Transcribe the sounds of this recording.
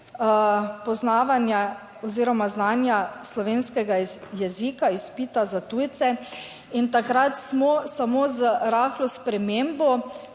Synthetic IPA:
pɔznaːʋanja | ɔziːɾɔmaznaːnjaslɔʋeːnskɛɡajɛzikaispiːt̪azat̪uːjt̪sɛ | int̪akɾat̪smɔsamozəɾaːxlɔspɾɛmembɔ

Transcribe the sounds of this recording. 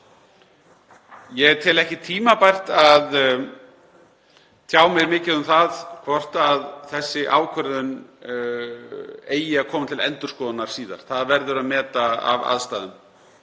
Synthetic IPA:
jɛt̪ʰɪlɛhcɪt̪ʰiːmapajr̥t̪að | t̪ʰjaːwmɛɣɾmɪːcɪðʏmθaðkʰvɔr̥t̪aðθɛsːɪʔa̰ːwkʰvœɾðʏn | eːjɪaɾkʰɔːmat̪ʰɪlɛ̰nt̪ʏɾ̥skɔːðanaɾ̥siːða̰ɾ̥θaðvɛɾðʏɾaðmɛːt̪aa̰va̰ðst̪aːðʏm

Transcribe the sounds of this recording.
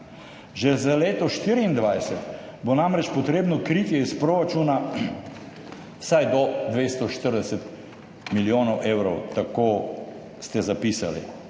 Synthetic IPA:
ʒɛzaleːt̪ɔʃt̪iːɾiːnd̪ʋajsɛt̪bonamɾɛt͡ʃpɔt̪ɾeːbnɔkɾit̪jɛispɾoːɾat͡ʃuːna | sajd̪ɔd̪ʋest̪ɔʃt̪əɾd̪ɛsɛt̪ | miljoːnɔwʔewɾɔwt̪akoː | st̪ɛzapiːsa̰lḭ

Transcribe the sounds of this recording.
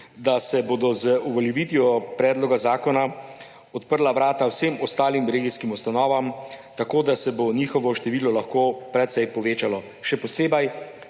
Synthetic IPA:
d̪asɛboːd̪ɔzəuʋɔljɛʋiːt̪ijɔpɾɛːd̪lɔɡazaːkɔna | ɔt̪pəɾlaʋɾaːt̪awsemɔst̪aːlimɾeːɡiskimust̪anɔːʋamt̪akoːd̪asɛboniːxɔʋɔʃt̪ɛʋiːlɔlaxkoːpɾɛt̪sɛjpɔʋeːt͡ʃalɔ | ʃɛpɔseːbɐj

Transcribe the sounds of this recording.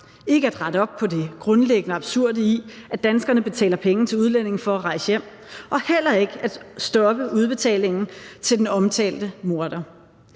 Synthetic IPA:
e̝ɡ̥əæd̥ʁɑ̈ɾəɒ̽b̥̚pʰɒ̽de̝ɡ̥ʁɔ̽nleɡ̥ənəɑ̈b̥suɐ̰dəiæd̥ænsɡ̥ɐnəb̥e̝t͡sʰɛ̰ːlɐpʰeŋn̩t͡sʰe̝luð̞ˠlen̰e̝ŋ̩fɒ̽æʁɑ̈ɪsjem̰ | ʔɒ̽hel̰ɐe̝ɡ̥əæd̥sd̥ɒ̽b̥əuð̞ˠb̥e̝t͡sʰɛ̰ːle̝ŋn̩t͡sʰe̝ld̥enɒ̽mt͡sʰɛ̰ːld̥əmo̝ɐɾ̥ɐ

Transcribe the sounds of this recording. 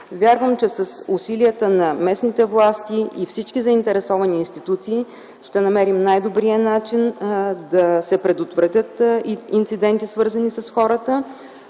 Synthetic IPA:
vʲjaɾvəmt͡ʃɛsɐsʊsiliət̪ənɐmɛsnit̪ɛvlˠast̪iifsit͡ʃkizɐint̪ɛɾɛsɔvɐniːnst̪it̪ut̪siː | ʃt̪ɛnɐmɛɾimnajd̪obɾijənat͡ʃind̪ɐsɛpɾɛd̪ot̪vɾət̪ʲjət̪int̪sid̪ɛnt̪isvɤɾzənisɐsxɔɾət̪ə

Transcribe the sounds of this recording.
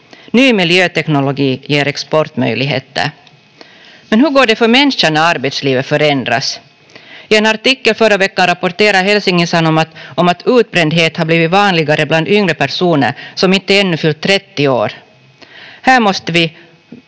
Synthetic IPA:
nyːmɪljøːt̪ɛknʊlɔɡiːjeːɾɛkspɔɾʈ̪mœ̰jlɪɡɦḛːt̪ːə̰ɾ | mɛnhɵɡoːɖɛfœɾmɛnʂanaaɾbɛt̪sliːvət̪fœɾɛnd̪ɾa̰s | ɪɛnaɾʈ̪ɪkːəlfœɾːavɛkːanɾapɔɾʈ̪eːɾaɦɛlsɪŋːənsanːɔmat̪ʔɔmat̪ʉːt̪̚bɾɛnd̪ɦeːt̪haɾbliːvɪt̪vɑːnlɪɡaɾəbland̪ʏŋɾəpæɾʂuːnə̰ɾsɔmɪnt̪ːəɛnːɵfʏlt̪ʰːɾɛt̪ːɪoːɾ | hæːɾmɔst̪əvɪ

